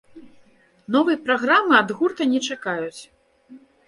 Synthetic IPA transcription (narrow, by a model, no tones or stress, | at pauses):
nɔvɨjɐpɾaɣɾamɨad̪ɣurt̪ɐnʲɛt͡ʂakajut͡sʲ